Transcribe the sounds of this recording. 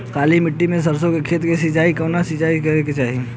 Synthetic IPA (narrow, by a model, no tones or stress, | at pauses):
kaːlimɪʈːimẽs̬ɐɾsõkekʰeːt̪kesɪt͡ʃaːikɐnasɪt͡ʃaːikɐeket͡ʃaːɦi